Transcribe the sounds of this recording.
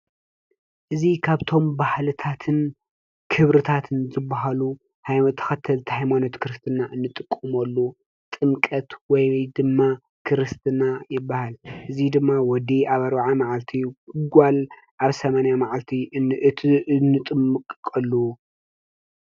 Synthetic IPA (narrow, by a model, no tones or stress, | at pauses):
ʔɨzikʰaβt̪ʰo̞mbahlɨt̪ʰat̪ʰɨn | kʰɨβɾɨt̪ʰat̪ʰɨnzɨbːaɦalu | hajt̪ʰɐ̥xɐt̪ʰːɐlt̪ʰihajmano̞t̪kʰɨɾɨst̪ʰɨnaʔɨnːɨt̪ʼɨkʼːɨmɐlːu | t̪ʼɨmkʼɐt̪wɔjjd̪ɨmːa | kʰɨɾɨst̪ʰɨnajɪbːahalʔɨzid̪ɨmːawɔd̪iaβɐɾβaʕamaʕalt̪ʰiɡʷal | ʔaβsɐmanjamaʕalt̪ʰiɨnːɨt̪ʼɨmɨkʼkʼɐlːu